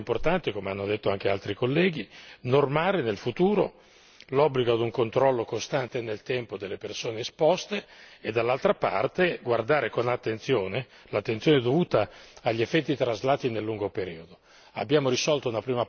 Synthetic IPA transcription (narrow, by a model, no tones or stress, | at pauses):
mport̪ant̪ikomeanːod̪et̪ːoaŋkealt̪ɾikolːɛːɡ̟inormaːɾenelfut̪uːɾo̰ | lɔbːliɡoad̪uŋkont̪ɾɔlːokost̪ant̪enelt̪ɛmpod̪elːepersoːneːspɔst̪eːd̪ːalːalt̪ɾapa̰rt̪eɡward̪aːɾekonat̪ːent̪sjoːne | lat̪ːent̪sjoːned̪ovuːt̪aaʎːiefːɛt̪ːit̪ɾazlaːt̪inelːuŋɡopeɾḭːod̪o | a̰bːjaːmoɾisɔlt̪ounapɾiːma